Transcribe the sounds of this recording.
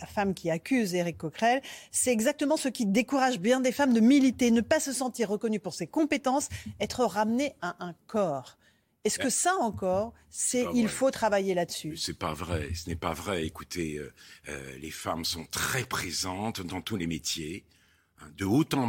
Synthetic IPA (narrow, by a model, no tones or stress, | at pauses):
afamkʲʰiakʲyzeʁikːɔkχɛlsɛɛɡzak̚t̪əmɑ̃səkʲid̪ekuʁaʒbjɛ̃d̪efamd̪əmilit̪enəpasəsɑ̃t̪iʁːəkɔnypuʁsekɔ̃pet̪ɑ̃sɛt̪χəʁamneaʔɛ̃kɔːʁ | ɛskəsaɑ̃kɔːʁ | sɛilfot̪χavajelad̪əsysɛpa̰vʁɛsənɛpa̰vʁɛekut̪ʰeø̰ø̰lḛfa̰msɔ̃t̪χɛpχezɑ̃t̪d̪ɑ̃t̪ulemet̪je | ɛ̃d̪əot̪ɑ̃